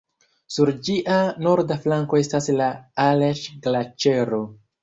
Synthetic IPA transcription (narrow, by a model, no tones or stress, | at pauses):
suɾd͡ʒiʔano̞ɾdaflaŋko̞e̞staslaaleʃɡlat͡ʃe̞ɾo̞